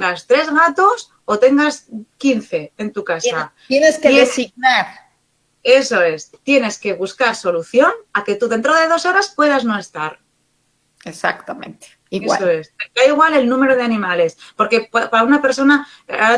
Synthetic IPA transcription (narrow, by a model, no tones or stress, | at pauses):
ŋɡast̪ɾe̞zɣat̪os | o̞t̪e̞ŋɡaskinθe̞ːnt̪ukasa | eneskeðesiɣnaɾ | e̞so̞e̞st̪je̞ne̞ske̞β̞uskaɾso̞luθjo̞nake̞t̪uðe̞nt̪ɾo̞ðe̞ð̞o̞so̞ɾaspwe̞ð̞azno̞e̞st̪aɾ | esa̰kt̪amḛ̃nt̪e̥ | iewasoeseaiɣ̞wale̞lnũme̞ɾo̞ð̞eanĩmale̞spo̞ɾke̞ppaɾaunape̞ɾso̞na | aɾa